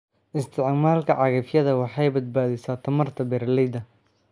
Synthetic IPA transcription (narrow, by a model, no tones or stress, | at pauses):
ʔɪst̪ʰɪʕmaːlkʰɐʕɑɣɐfjɐðɐwɑħɑjbɐd̪̚baːðɪsaːt̪ʰɐmɐrt̪ʰɐbɛːɾlɛjd̪ɐ